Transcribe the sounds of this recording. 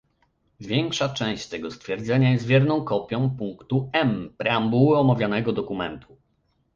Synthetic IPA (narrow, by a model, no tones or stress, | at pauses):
vʲjɛŋkʂat͡ʂɛ̃w̃ɕt͡ɕt̪ɛɡɔst̪fʲjɛɾd̪zɛɲajɛst̪vʲjɛɾnɔ̃w̃kɔpʲjɔ̃w̃puŋkt̪uɛmpɾɛambuwɔmavʲjanɛɡɔd̪ɔkumɛnt̪u